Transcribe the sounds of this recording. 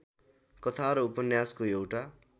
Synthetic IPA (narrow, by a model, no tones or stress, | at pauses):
kʌt̪ʰaɾʌupʌnjaskoewʈa